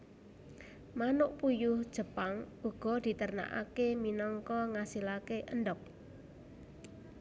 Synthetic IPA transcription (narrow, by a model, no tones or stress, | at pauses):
manʊʔpujʊhd̥ʒ̥ə̤paŋʔuɡ̥ɔ̤d̪̥i̤t̪ərna̰ʔa̰keminɔŋkɔŋasilakeʔənɖɔk̚